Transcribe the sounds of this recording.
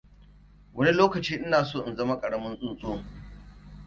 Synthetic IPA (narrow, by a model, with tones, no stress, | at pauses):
wʔɐ˦ni˦loː˦kɐ˨t͡ʃiː˦ʔɪ˦naː˨soː˦˨ʔɪ˨nzɐ˦ma˦kʼɐ˨ɽɐ˦mɐ˦nsʼʊ˦nsʼoː˦